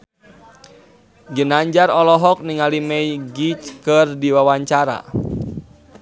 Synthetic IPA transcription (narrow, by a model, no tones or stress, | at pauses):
ɡənaɲd͡ʒarɔlɔɦɔk̚niŋalimɛjɡit͡ʃkərdiwawaɲt͡ʃaɾa̰